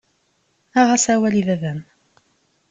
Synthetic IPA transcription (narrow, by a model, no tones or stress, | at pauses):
æʁasæwæliðæðæm